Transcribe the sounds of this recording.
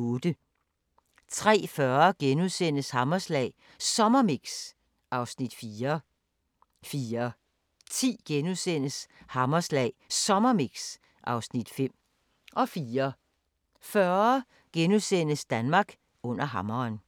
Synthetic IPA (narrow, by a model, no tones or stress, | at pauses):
oːd̥ə | t͡sʰʁɛ̰ːfɶɐɡ̥enuðˠsen̰əshɑ̈mɐslɛ̰ɪ | sɒ̽mɐmiɡ̥s | ʔɑ̈ʊsnid̥fiːɐ | fiːɐ | t͡sʰḭːɡ̥enusen̰əshɑ̈mɐslɛ̰ɪsɒ̽mɐmiɡ̥s | ʔɑ̈ʊsnid̥fem̰ | ʔɒ̽fiːɐ | fɶɐ | ɡ̥enuðˠsen̰əsd̥ænmɑ̈ːɡ̥ | ɔ̽n̰ɐɦɑ̈mɐːn